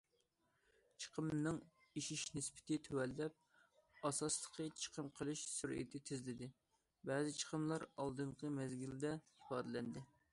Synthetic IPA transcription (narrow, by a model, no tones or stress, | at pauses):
t͡ʃʰə̥qʰəmnɨŋ | iʃiʃnɪspɪ̥t̪ʰɪt̪ʰøwɛlːɛp̚ | ɑsɑslˠə̥qʰət͡ʃʰə̥qʰəmqʰəlˠɨʃsuɾʔḭt̪ʰɪt̪ʰɪzlɪd̪ɪ | bɛːzɪt͡ʃʰə̥qʰəmlˠɑɾɑlˠd̪ɨɴqʰəmɛzɡʲild̪ɛ | ipɑːd̪ɨlɛnd̪ɪ